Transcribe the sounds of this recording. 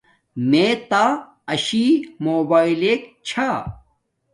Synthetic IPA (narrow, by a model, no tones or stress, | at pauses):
meːt̪aː | ɐɕiːmoːbaːileːkt͡ɕʰa